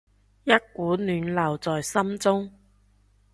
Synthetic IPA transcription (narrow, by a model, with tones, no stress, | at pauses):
jɐ˥t̚kuː˨˥nyː˨˧nlɐ˨˩wt͡sɔː˨jsɐ˥mt͡sʊ˥ŋ